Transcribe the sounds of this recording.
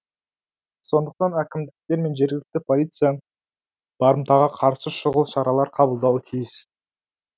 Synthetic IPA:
so̞nd̪əq̚t̪ɑnækʲɪmd̪ɪk̚t̪e̞ɾme̞nʒe̞ɾɡʲɪlɪk̚t̪ɪpʰolʲijt̪sɨjan | b̥ɑɾəmt̪ɑʁɑqʰɑɾsəʃʊʁəlˠʃɑɾɑlˠɑɾqʰɑbəlˠd̪ɑwət̪ʰijɪs

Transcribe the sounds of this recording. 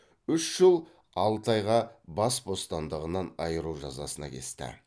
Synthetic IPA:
ʏʃʒ̥əlˠ | ɑlˠt̪ɑjʁɑbɑsbo̞st̪ɑnd̪əʁənɑnɑjəɾuʒɑzɑ̰sənɑ̰kʲʰe̞̰st̪ɪ̰

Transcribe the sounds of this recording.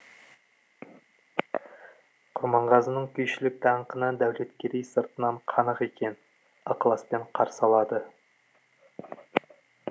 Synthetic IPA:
qʰʊɾmɑɴʁɑzənəɴkʲʰʏjʃɪlɪk̚d̪ɑɴqənəd̪æwle̞t̪kʲe̞ɾejsəɾt̪ənɑɴqʰɑnəqe̞kʲe̞n | ɑqəlˠɑspe̞ɴqʰɑɾsɑlˠɑd̪ə

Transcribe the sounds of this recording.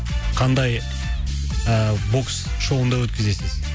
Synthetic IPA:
qʰɑnd̪ɑj | əbo̞ks | ʃo̞lˠənd̪ɑwɵt̪kʲɪze̞sɪz

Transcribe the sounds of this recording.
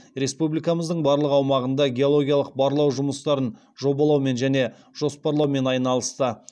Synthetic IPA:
ɾe̞spublijkɑməzd̪əɴbɑɾlˠəqɑwmɑʁənd̪ɑɡʲe̞o̞lˠo̞ɡʲijɑlˠəq̚bɑɾlˠɑwʒʊməst̪ɑɾən | ʒo̞bɑlˠɑwme̞nʒæne̞ | ʒ̥o̞spɑɾlˠɑwme̞nɑjənɑlˠəst̪ə

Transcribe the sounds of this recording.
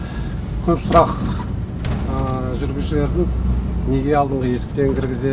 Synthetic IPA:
kʲʰɵpsʊɾɑq | əʒʏɾɡʲɪlʃɪle̞ɾd̪ɪŋne̞ɡʲe̞ɑlˠd̪əɴʁəje̞skʲɪ̥t̪e̞ŋkʲʰɪɾɡʲɪze

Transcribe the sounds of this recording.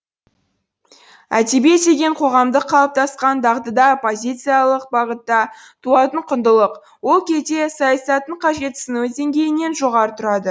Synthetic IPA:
æt̪ebe̞t̪eɡʲe̞ɴqʰo̞ʁɑmd̪əqʰːɑlˠəp̚t̪ʰɑsqɑnd̪ɑʁt̪əd̪ɑpo̞zʲijt̪sɨjalˠəq̚bɑʁət̪ːɑ | t̪ʰuɑt̪əɴqʰʊnd̪əlˠəq | wo̞lˠkʲʰe̞zd̪e̞sɑjɑsɑt̪əɴqʰɑʒe̞t̪sɪnuzd̪e̞ŋɡʲe̞jɪne̞nʒo̞ʁɑɾət̪ʰʊɾɑd̪ə

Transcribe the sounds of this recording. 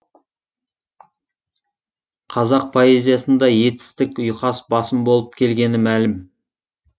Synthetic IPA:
qʰɑzɑq̚pʰoe̞zʲijɑsənd̪ɑje̞t̪ɪ̥st̪ɪkʲʊjqɑsbɑsəmbo̞lˠəp̚kʲʰe̞lɡʲe̞nɪmælɪm

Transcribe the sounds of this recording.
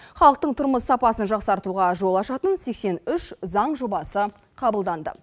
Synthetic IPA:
χɑlˠəq̚t̪əɴt̪ʰʊɾməsːɑpɑsənʒɑqsɑɾt̪uʁɑʒo̞lˠɑʃɑt̪ənse̞kse̞nʏʃzɑɴʒobɑsə | qʰɑbəlˠd̪ɑnd̪ə̰

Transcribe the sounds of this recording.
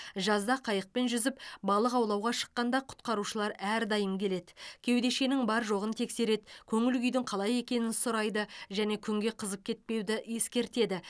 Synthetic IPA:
ʒɑzd̪ɑqʰɑjəq̚pe̞nʒʏzɪpbɑlˠəqɑwlˠɑwʁɑʃə̥qːɑnd̪ɑqʰʊ̥t̪qɑɾuʃəlˠɑɾæɾd̪ɑjəmkʲʰe̞le̞d̪ɪkʲʰe̞wd̪e̞ʃe̞nɪŋbɑɾʒo̞ʁənt̪ʰe̞kse̞ɾe̞d̪kʲʰɵŋɪlɡʲʏjd̪ɪŋqʰɑlˠɑje̞kʲe̞nɪnsʊɾɑjd̪əʒæne̞kʲʰʏŋɡʲe̞qʰəzəp̚kʲʰe̞t̪̚pe̞wd̪ɪje̞skʲe̞ɾt̪e̞d̪ɪ

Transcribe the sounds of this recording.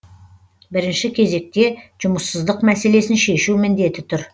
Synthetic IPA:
bɪɾɪnʃɪkʲʰe̞ze̞k̚t̪e̞ʒ̥ʊməsːəzd̪əqmæse̞le̞sɪnʃe̞ʃumɪnd̪e̞t̪ɪt̪ʰʊɾ

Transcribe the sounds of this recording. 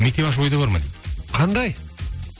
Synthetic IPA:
mekt̪eβɑʃ̬bo̞jd̪ɑbaɾmɑ̰j̪qʰɑnd̪ɑj

